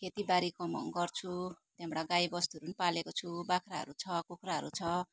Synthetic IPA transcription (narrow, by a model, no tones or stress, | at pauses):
kʰet̪ibaɾikʌmʌ̰ŋɡʌrt͡sʰut̪jemɽaɡajbʌst̪uɾunpalekot͡sʰubakʰɾaɦʌ̰ɾut͡sʰʌkokraɦʌɾut͡sʰʌ